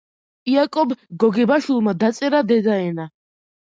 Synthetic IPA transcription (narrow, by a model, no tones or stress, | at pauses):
iakʼɔbɡɔɡɛbaʃulˠmad̪at̪sʼɛɾad̪ɛd̪aɛna